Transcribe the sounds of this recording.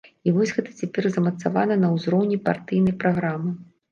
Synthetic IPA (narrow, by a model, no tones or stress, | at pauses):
ivɔzʲɣɛt̪ɐ̥t͡sʲɛpʲɛrzɐmɐt̪savanɐnɐwzɾɔwnʲipa̰rt̪ɨjnɐjpɾaɣɾamɨ